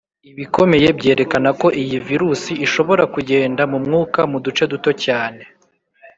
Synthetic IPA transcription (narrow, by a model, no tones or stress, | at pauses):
iβiko̞me̞je̞bɟe̞ːɾe̞kanako̞ʔijiviɾusiiʃo̞βo̞ɾakuɟe̞ːndamumŋuːkamudut͡ʃe̞duto̞caːne̞